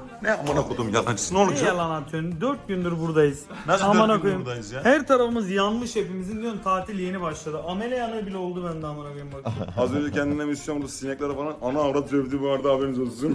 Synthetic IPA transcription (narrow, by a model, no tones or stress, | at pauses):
nɛamanakod̪umjat̪ant͡ʃʰɯ̥sɯnolˠɛlʲanat̪ʰynd̪øɾt̪̚ɟynd̪yɾbuɾd̪ajɯz̥ | amanakojumzhæɾt̪ʰaɾafɯmɯzjanmɯʃe̞pimizind̪yønt̪ʰaːt̪ʰilʲje̞nibaʃlˠad̪ɯʔame̞lʲejanabilʲɛo̞lˠd̪ubænd̪amanakojumbakazø̞nd͡ʒɛcʰɛnd̪inɛmisjonoɾd̪asinɛc̚lʲɛɾɛfalˠananaːɾapsøvd̪iːbuvaɾd̪aabeɾnizolusum